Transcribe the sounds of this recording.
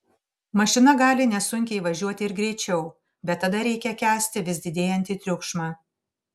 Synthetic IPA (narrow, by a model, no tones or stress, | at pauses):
mɐʃʲɪnɐɡɑːlʲɪnʲɛsʊŋʲkʲɛɪʋɐʒʲuɔt̪ʲɪɪɾɡɾʲɛɪt͡ʃʲɛʊ | bʲɛt̪ːɐd̪ɐɾʲɛɪkʲɛkʲæːsʲt̪ʲɪʋʲɪzʲd̪ʲɪd̪ʲeːjɛnʲt̪ʲiːt̪ʲɾʲʊkʃmɑː